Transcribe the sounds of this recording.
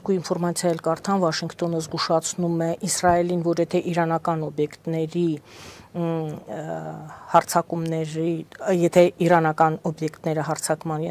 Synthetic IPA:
ɾkuinfɔɾmɑt͡sʰjɑjɛlkɑɾt̪ʰɑnvɑʃiŋkt̪ɔnəzɡuʃɑt͡sʰnumɛʔisrɑɛlinvɔɾjɛt̪ʰɛʔiɾɑnɑkɑnɔbjɛkt̪nɛɾi | hɑɾt͡sʰɑkumnɛɾijɛt̪ʰɛiɾɑnɑkɑnɔbjɛkt̪nɛɾəɦɑɾt͡sʰɑkmɑn

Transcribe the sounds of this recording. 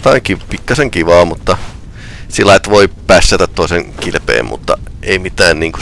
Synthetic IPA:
t̪ɑiŋkipikːɑseŋkiʋɑːmut̪ːɑ | silːɑiet̪ʋoipæsːæt̪æt̪t̪oiseŋkilpḛːmmṵt̪ːɑ̰eimit̪æːnniːŋku

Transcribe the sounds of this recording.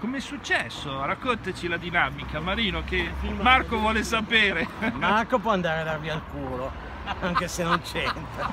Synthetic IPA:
komeɛsːut͡ʃːɛsːoɾakːont̪at͡ʃilad̪inamikamaɾiːnok̟emarkovwɔːlesapeːɾemarkopwɔand̪aɾed̪arvialkuːɾo | aŋkesenːont͡ʃɛnt̪ɾa

